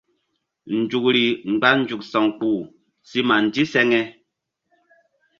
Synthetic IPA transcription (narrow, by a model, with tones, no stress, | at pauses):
n̩˨d͡ʒu˨k̚ɾi˨ŋ͡m̩˨ɡ͡ba˦n̩˦d͡ʒu˨k̚sɔ˨ŋk͡puː˨ | si˦ma˨n̩˨di˦sɛ˦ŋɛ˦